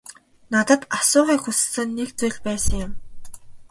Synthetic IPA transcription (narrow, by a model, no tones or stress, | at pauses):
nat̪ə̆t̪asʊːʁiːxus̆sə̆nːek̚t͡sujɮpæːsə̆ŋjʊ̆m